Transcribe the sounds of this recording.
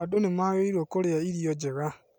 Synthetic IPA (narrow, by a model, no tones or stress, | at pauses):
adonemaɣeiɾokoɾeaiɾjɔd͡ʒeɣa